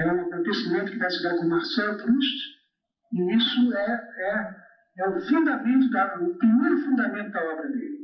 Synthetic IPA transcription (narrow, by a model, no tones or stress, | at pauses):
ɛũakõnt̪esimẽnt̪ʊkɪvajsiɡ̪aɾkõmaɾsɛlpɾuʃt͡ʃ | iisʊɛɛ | ɛʊfũnd̪amẽnt̪ʊd̪ɐʊpɾimejɾʊfũnd̪amẽnt̪ʊd̪ɐɔbɾɐd̪elɪ